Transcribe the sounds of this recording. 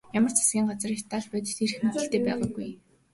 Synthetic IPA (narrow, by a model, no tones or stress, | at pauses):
jamə̆rt͡sʰḁsɡʲiːŋɢat͡sriːkt̪ʰːaɮpœːt̪̆t̪ir̆xmet̪ɘ̆ɬt̪eːpæːʁʊːɡuj